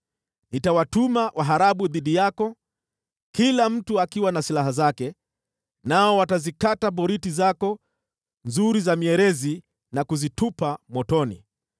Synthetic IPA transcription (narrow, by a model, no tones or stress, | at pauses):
nitawatumawʔaɦaɾaɓuðiɗijakɔ | kilam̩tuakiwanasilaɦazakɛ | naɔwatazikataɓɔɾitizakɔ | nzuɾizamiɛɾɛzi | nakuzitupamwɔtɔnḭ